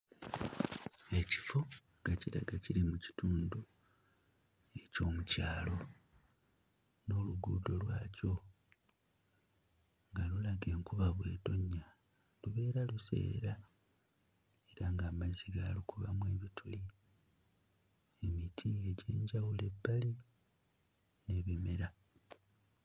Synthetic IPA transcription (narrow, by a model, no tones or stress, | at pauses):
e̞ci̥fo | ɡaciɾa̰ɡaciɾimuci̥tuːndu | e̞co̞ːmucaːlo̞ | no̞ːluɡuːdo̞lwaːco̞ | ŋɡalulaɡe̞ːŋkuβaβwe̞ːto̞ɲːa | luβe̞ːɾaluse̞̰ːɾa | e̞ɾaŋɡaːmaziɡalukuβamwe̞ːβitʰuli | e̞mitʰie̞ɟe̞̰ːɲɟawule̞bːali | ne̞βime̞ɾa